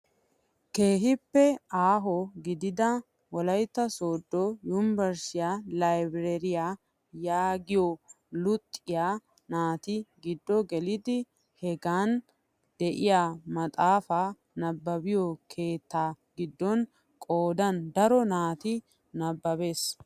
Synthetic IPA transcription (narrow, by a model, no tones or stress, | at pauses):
ke̞ːɦɪpːɛaːɦɔɡɪd̪ɪd̪ɐ | wɔlɐjt̪ːɐsoːd̪ːɔjʊnbɛɾsɪjaːlɐjbɾɛɾɪja | jaːɡɪjɔ | lʊt̪ʼːɪjaː | naːt̪ɪɡɪd̪ːɔɡɛlɪd̪ɪ | hɛɡaːn | d̪̥ɛʔɪjaːmɐt̪ʼaːfa | nɐbːɐbɪjɔkʰe̞ːt̪ːaːɡɪd̪ːɔn | kʼoːd̪ɐnd̪ɐɾɔnaːt̪ɪ | nɐbːɐbe̞ːs